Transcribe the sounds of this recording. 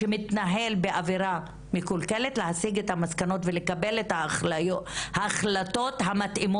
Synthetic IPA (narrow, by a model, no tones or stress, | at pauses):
emit̪naɦe̞lbeʔaviɾa | mikulkeletleɦasiɡethamaskano̞tvele̞kabelethaːχlajohaːχlato̞tɦamatʔimo